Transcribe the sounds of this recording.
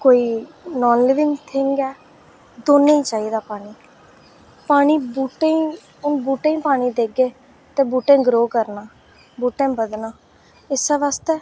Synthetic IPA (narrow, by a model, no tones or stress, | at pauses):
koːiːnɔːnlɪʋɪŋɡt̪ʰɪŋɡɛː | d̪oːnẽːiːt͡ʃaːiːd̪aːpaːɽ̃iː | paːɽ̃iːbuːʈẽː | ʊnbuːʈẽːĩːpaːɽ̃iːd̪eːɡeː | t̪ẽːbuːʈẽːɡɾoːkəɾnaː | buːʈẽːbəd̪naː | ɪsɛːʋaːst̪ɛː